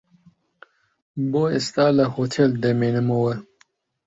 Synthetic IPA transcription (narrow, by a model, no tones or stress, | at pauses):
boːest̪aːlɐhot̪ʰeld̪ɐmeːnɨmɐwɐ